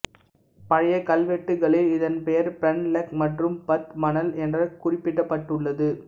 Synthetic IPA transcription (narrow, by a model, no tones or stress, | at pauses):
pɐɻɐjɐkːɐlʋɛʈːɯɣɐɭɪlɪðɐnpɛjɐɾpɛnlɐkmɐʈrɯmpɐt̪mɐnɐlɛndrɐkʊrɪpːɪʈːɐpːɐʈːɯɭːɐðɯ